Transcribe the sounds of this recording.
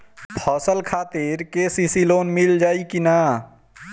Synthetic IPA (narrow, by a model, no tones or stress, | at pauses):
pʰɔsəlkʰat̪iɾkesisilonmild͡ʒaːikina